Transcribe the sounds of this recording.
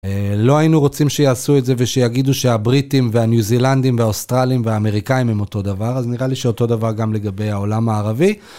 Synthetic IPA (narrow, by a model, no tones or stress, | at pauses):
elo̞ainuʁo̞t͡simʃe̞jaːsue̞tze̞veʃejaɡid̪uʃe̞abʁitimveanjuziland̪imveaostʁaliimveaːme̞ʁikaimhemo̞to̞d̪avaʁazniʁaliʃeoto̞davaʁɡamle̞ɡabe̞jao̞lamaːʁavi